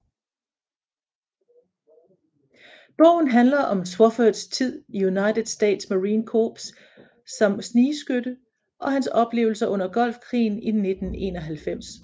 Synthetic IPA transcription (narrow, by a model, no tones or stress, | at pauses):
b̥ɔʊ̰n̩ɦænlɐʔɒ̽mswɒfød̥st͡sʰið̰ˠijunɑ̈ɪd̥ðˠsd̥ḛːd̥smæʁiːnkʰoːb̥s | sɒ̽msniːsɡ̥ød̥ə | ʔɒ̽ɦænsɒ̽b̥le̝̰ːʊl̩sɐʔɔ̽n̰ɐɡ̥ɒ̽l̰fkʰʁḭːninːe̝d̥n̩e̝̰nɒ̽ɦælfem̰s